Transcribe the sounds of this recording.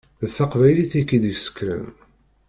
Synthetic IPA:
ðθaqvæjliθikːid̪isə̥kːɾə̰m

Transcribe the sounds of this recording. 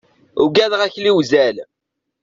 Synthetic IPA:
ʊɡæðʁæçliwzæl

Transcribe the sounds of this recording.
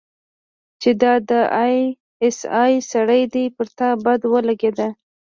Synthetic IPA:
t͡ʃed̪ɑd̪əj | ɪsɑjsaɽəjd̪epəɾt̪ɑbad̪wəlaɡed̪a

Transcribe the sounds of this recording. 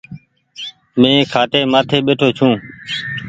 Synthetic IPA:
mẽːkʰaːʈeːmaːt̪ʰeːɓeːʈʰoːt͡ʃʰũː

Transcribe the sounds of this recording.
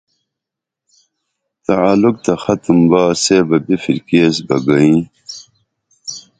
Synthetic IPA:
t̪ɐaːluk̚t̪ɐxɐt̪umbaːseːbɐbifiɾkeːsbɐɡɐĩː

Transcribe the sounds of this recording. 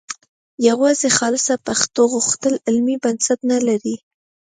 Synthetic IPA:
jawɑzexɑlɪsapaxt̪oɣʊxt̪əlɪlmibansat̪nalaɾi

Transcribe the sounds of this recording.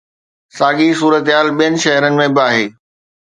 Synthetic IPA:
saːɠisuːɾət̪ɦaːlɓijənɪ̆ʃɐɦɾənɪ̆mẽbɪaːɦeː

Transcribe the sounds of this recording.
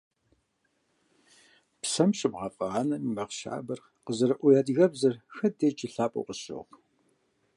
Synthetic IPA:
psɐmɕʼɨbʁɑfʼɐɑːnɐmimɐʁʃa̰ːbɐr | qəzɐɾɐʔʷɔjaːdɣɐbzɐrxɐdeːt͡ʃʼɪɬaːpʼo̰qəɕo̰ʁ

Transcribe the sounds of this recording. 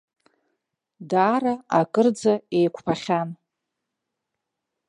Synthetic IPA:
daːɾaakʼɨrd͡zaejkʷʰpʰaχʲan

